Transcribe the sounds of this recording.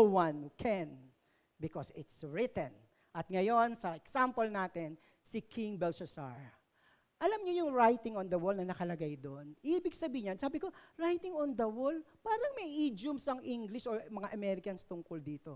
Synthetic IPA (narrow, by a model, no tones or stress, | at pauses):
owɐ̃nkʰɛn | bɪkosɪt̪sɹɪt̪ɛ̃n | ʔɐt̪̚ŋɐjo̞nsɐɛksampolnaːt̪ɛn | sɪkʰɪŋbɛlsɛsa̰ɹ | ʔɐlamɲojʊŋɹajt̪ɪŋond̪ɐwɔlnɐnɐkɐlɐɡajd̪onʔiːbɪɡsɐbiːɪɲɐnsaːbɪko̞ɹajt̪ɪŋond̪ɐwolpaːɾɐŋmɐjʔid͡ʒʊmsɐŋʔiŋɡlɪʃoɹmɐŋaʔɐmɛɾɪkɐnst̪ʊŋkold̪iːt̪o̞